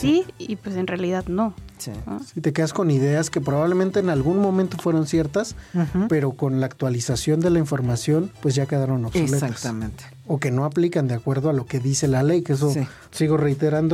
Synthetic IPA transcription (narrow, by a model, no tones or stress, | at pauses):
siipwesenrealiðaðnosiosit̪e̞ke̞ðasko̞niðe̞aske̞p̬ɾo̞βaβle̞mẽnt̪e̞ːnalɣunmõ̞mẽnt̪o̞fwe̞ɾo̞nsje̞ɾt̪aspe̞ɾo̞ko̞nlaːkt̪walisasjo̞nd̪e̞laiɱfo̞ɾmasjo̞npwe̞zʝake̞ðaɾo̞noβssolesaasamẽnt̪e̥ | oke̞no̞aplikand̪eakwe̞ɾðoalo̞ke̞ðise̞lale̞jkees̬o̞s | siɣo̞re̞jt̪e̞ɾand̪o